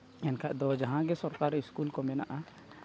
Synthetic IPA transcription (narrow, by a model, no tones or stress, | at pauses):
ɛnkʰaʔd̪ɔd͡ʒaɦãɡɛsɔɾkaɾiskulkɔmɛna̰ʔa